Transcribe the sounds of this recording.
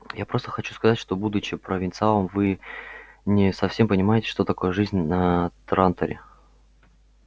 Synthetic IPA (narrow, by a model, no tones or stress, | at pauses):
japɾo̞st̪ə̥xɐt͡ɕu̥skɐzatʲʂt̪o̞bud̪ʊt͡ɕɪpɾəvʲɪnt̪sɨalˠəmvɨ | nʲɪsɐfsʲe̞mpənʲɪmajɪtʲɪ̥ʂt̪o̞t̪ɐko̞jəʐɨzʲnʲnɐt̪ɾant̪ə̰ɾʲɪ̰